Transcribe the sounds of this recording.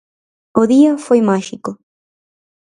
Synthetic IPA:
oðiɐfojmaʃiko

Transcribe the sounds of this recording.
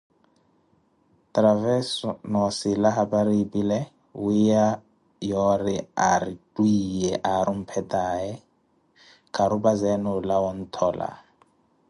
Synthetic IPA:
tɾavɛsɔnɔsilaɦabaɾipʼilɛ | wija | jɔɾia̰ɾitʼwijɛʔaɾum̩pʰɛtʼaɛ | kʼaɾubazɛnɔlawɔn̩t̪ʰɔːla̰

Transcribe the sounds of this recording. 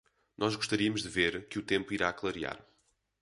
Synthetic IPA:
nʔɔʒɣuʃt̪ɐɾiɐmuʒd̪ɨveɾkɨut̪ẽmpuiɾaklˠɐɾia̰ɾ

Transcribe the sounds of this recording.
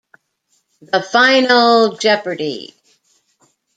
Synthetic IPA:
ðəfãɪ̃nl̩ˠd͡ʒɛpə˞ɾḭ

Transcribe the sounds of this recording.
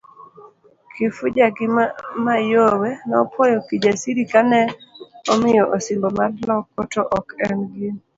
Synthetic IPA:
kʰɪfʊd͡ʒaɡɪmajowɛnɔpʰɔjɔkɪd͡ʒasiɾikanɛɔmɪjɔʔosɪmbɔmarlɔkːɔtoʔɔkɛnɡɪn

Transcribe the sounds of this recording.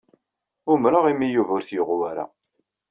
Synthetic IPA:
ʊmɾəʁimːijuvʊɾθjəʁuwaɾa̰

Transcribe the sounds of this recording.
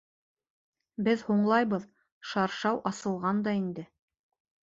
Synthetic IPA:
bɘðhuɴlˠɑjβɤð | ʃɑɾʃɑwʔɑsɤ̆lˠʁɑnd̪ɑind̪ɘ

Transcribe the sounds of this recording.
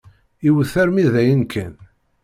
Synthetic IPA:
iwəθæɾmiðæjənkʰæn

